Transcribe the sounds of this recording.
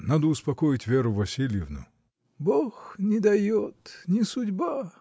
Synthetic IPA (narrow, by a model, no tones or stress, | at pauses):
nad̪ʊːspɐkojɪtʲvʲeɾʊvɐsʲilʲjɪvnʊ̰ | boxnʲɪd̪ɐjot̪nʲɪsʊdʲba